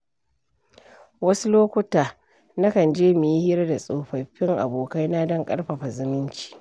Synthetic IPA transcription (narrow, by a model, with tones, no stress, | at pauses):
wɐ˦su˦loː˦kʷʊ˦taː˨ | na˦kɐ˨nd͡ʒeː˦mɪ˨ji˦hɪ˦ɾa˦da˨sʼoː˨ɸɐ˨ɸɪ˦ŋʔa̰˨boː˨ka˦jna˦dɐ˦ŋkʼɐ̰˦ɽɸɐ˨ɸa˨zɪ˦mɪ˦nt͡ʃi̥ː˦˨